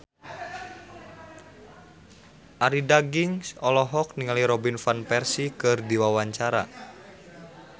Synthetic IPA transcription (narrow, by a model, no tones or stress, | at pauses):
ʔaɾidaɡiŋsɔlɔɦɔk̚niŋaliɾɔbinfanpɛrsikɨrdiwawaɲt͡ʃaɾa̰